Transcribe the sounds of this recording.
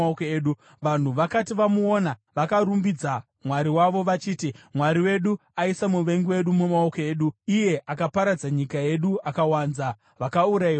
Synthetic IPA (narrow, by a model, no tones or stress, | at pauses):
okeːɗu | ʋan̤uʋakatiʋamuonaʋakaɾumbid͡za | mwaɾiwaʋo̞ʋat͡ʃiːtimwaɾiwe̞ɗuaisamuʋe̞ŋɡiwe̞ɗumumao̞koe̞ːɗuije̞ʔakapaɾad͡zaɲikae̞ɗuakawaːnza | ʋakauɾai